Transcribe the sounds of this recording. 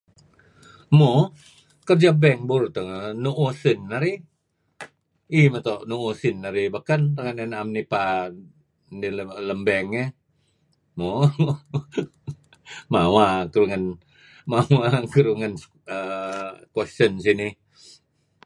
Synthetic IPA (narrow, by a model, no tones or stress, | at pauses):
mo | kərd͡ʒabɛŋbuɾt̪aŋnuʔosinːaɾi | imət̪ɔʔnuosinːaɾibakantaŋanenamnipa | dilələmbɛŋe | mo | mawakəɾuŋan | mawakəɾuŋan | əkwɛstəns̬ini